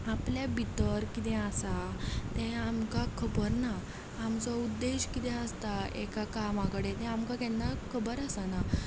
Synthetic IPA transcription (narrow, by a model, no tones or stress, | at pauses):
apljabit̪əɾkit̪ɛ̃asat̪ɛ̃amkakʰəbəɾnaː | mt͡sɔud̪ːeɕkit̪ɛ̃əst̪aḛkakamãkəɽet̪ɛ̃amkakɛnːakʰəbəɾasana